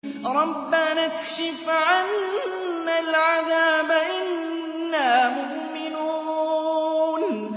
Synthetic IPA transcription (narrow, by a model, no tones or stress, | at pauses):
ɾˤɑbːanakʃɪfʕanː | alʕaðaːbaʔɪnː | aːmʊʔmɪnuː | n